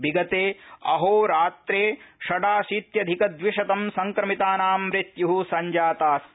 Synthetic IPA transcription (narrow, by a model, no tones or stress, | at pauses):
bʱiɡɐt̪eːɐ̰ɦoːɾaːt̪ɾeːʃɐɖaːʃiːt̪jɐd̪ʱikɐd̪ʋiʂɐt̪ɐmsɐŋkɾɐmit̪aːnaːmɾɪt̪juɦusɐɲd͡ʒaːt̪aːs